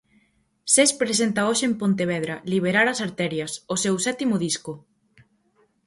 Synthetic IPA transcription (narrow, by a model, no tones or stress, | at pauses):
sespɾesent̪aoʃeːmpont̪eβ̞ɛðɾɐliβ̞eɾaɾɐsaɾt̪ɛɾjɐsosewsɛt̪imoðiskʊ